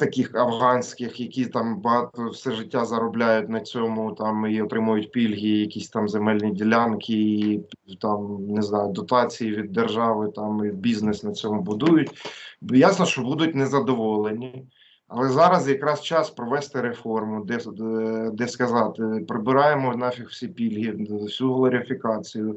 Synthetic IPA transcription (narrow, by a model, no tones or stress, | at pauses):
t̪ɐkʲixɐfɦɑnʲsʲkɪxjɐkʲit̪ɑmbɐɦɑt̪ɔwsɛʒɪtʲːazɐɾɔblʲajʊtʲnɐt͡sʲɔmʊt̪ɑmiɔt̪ɾɪmʊjʊt̚ʲpʲilʲɦʲijɐkʲisʲt̪ɑmzemɛlʲnʲidʲilʲankʰʲɪit̪ɑmnɪznɑjʊd̪ɔt̪ɑt͡sʲijiʋʲid̪ːerʒɑʋɪt̪ɑmiwbʲiznesnɐt͡sʲɔmʊbʊd̪ujʊtʲjasnɔʃt͡ʃɔbud̪ʊt̚ʲnɛzɐd̪ɔʋɔlˠenʲi | ɐlˠɛzɑɾɐzjɐkɾɑst͡ʃɑspɾɔʋɛst̪ɪɾefɔrmʊd̪ɛ | d̪ɛskɐzɑt̪ɪpɾɪbɪɾɑjemɔnɑfʲixw̥sʲipʲilʲɦʲiwsʲuɦlˠɔɾʲɪfʲɪkɑt͡sʲijʊ